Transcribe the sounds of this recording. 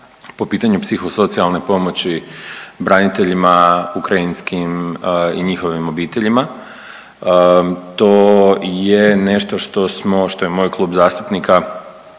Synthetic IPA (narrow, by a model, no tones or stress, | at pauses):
po̞piːt̪aɲupsixo̞so̞t̪sialˠne̞po̞mo̞t͡ɕibɾanit̪e̞ʎimaukɾajinskimiɲixo̞ʋimo̞biːt̪e̞ʎima | t̪ojene̞ʃt̪o̞ʃt̪o̞smoʃt̪o̞jemoːjklˠuːbzaːst̪u̥pnika